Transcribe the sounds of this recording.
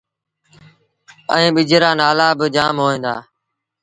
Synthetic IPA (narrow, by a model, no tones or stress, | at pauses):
əĩːɓɪd͡ʒɾaːnaːlaːbɪd͡ʒaːmɦoːẽːnd̪a̰ː